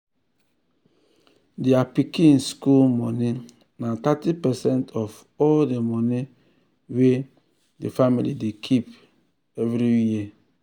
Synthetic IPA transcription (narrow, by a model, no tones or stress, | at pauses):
deapikĩnskulmɔnĩ | natatipɛsɛ̃ntʰɔf | ɔldemɔni | we | defamḭlḭdekʰip | ɛvɾiji